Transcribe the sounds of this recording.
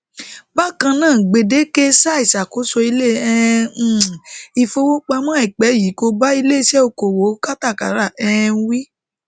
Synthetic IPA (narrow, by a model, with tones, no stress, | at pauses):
ba˦kã˧nãː˦˨ɡ͡be˨de˨˦ke˦sa˦i˨sa˨ko˨˦sɔ˧i˧le˦˨ɛ̃˦˨ | i˧fo˧wo˦k͡pa˧mã˦i˨k͡pɛ˨˦˨ji˨˦ko˧ba˦i˧le˦˧˦ʃɛ˦o˧ko˨wo˨˦ka˦ta˦˨ka̰˨˦ɾa˦˨ɛ˦˧˦wi˦